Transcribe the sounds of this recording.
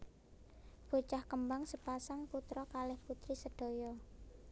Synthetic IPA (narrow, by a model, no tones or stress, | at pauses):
b̥o̤t͡ʃahkəmbaŋsəpasaŋput̪ɾɔkalɛhput̪ɾisəɖ̥o̤jɔ